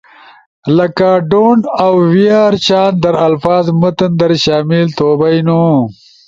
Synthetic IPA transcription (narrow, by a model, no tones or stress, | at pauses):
lɐkaɖonawwiaɾt͡ʃaːnd̪ɐɾɐlfaːzmət̪ənd̪ɐɾʃaːmilt̪oːbajnu